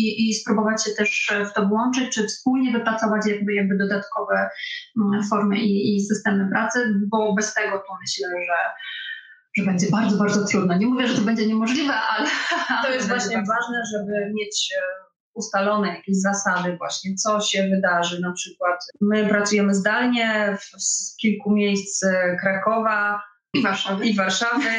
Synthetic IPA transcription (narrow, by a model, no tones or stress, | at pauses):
iʔispɾubɔvat͡ɕɕɛt̪ɛʂft̪ɔvwɔnt͡ʂɘt͡ɕt͡ʂɘfspulɲɛvɘpɾat̪sɔvat͡ɕjaɡ̚bɘjaɡ̚bɘd̪ɔd̪at̪kɔvɛ | fɔɾmɘʔiːsɘst̪ɛmɘpɾʔat̪sɘbɔbɛst̪ɛɡɔt̪umɘɕlɛʐɛ | ʐɛbɛɲd͡ʑɛbaɾd̪zɔbaɾd̪zɔt̪ɾud̪̚naɲɛmuvʲjɛʐɛt̪ɔbɛɲd͡ʑɛɲɛmɔʐlʲivɛʔalɛt̪ɔjɛst̪vwaɕɲɛvaʐnɛʐɛbɘmʲjet͡ɕ | ust̪alɔnɛjakʲeʑzasad̪ɘvwa̰ɕɲɛt̪sɔɕɛvɘd̪aʐɘnapʂɘkwat̪mɘpɾat̪sujɛmɘzd̪alɲɛfskʲilkumʲjejst̪skɾakɔva | ivaʂavivaɾʂavɘ